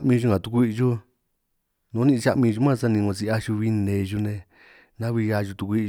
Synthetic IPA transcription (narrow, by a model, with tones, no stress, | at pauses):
mĩ˧ʒu˧ŋã˨t̪u˧ku˧i˦˧ʒu˦ | nõ˨˦nĩ˧t͡ʃa˦ʔmĩ˧ʒu˧˦mã˦˧sa˦˧nĩ˧õ˧si˧a˦ʃu˧βi˧nẽ˨˧ʒu˧nẽ˧ | nã˦βi˧a˧ʒu˧t̪u˧kʷu˧i˧